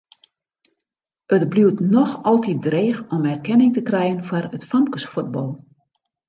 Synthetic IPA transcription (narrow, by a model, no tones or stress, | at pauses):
ətbliwtnɔxɔlˠtit̚dreːxɔmɛrkɛnɪŋtəkrɛjənfarətfamkəsfuəd̚bɔlˠ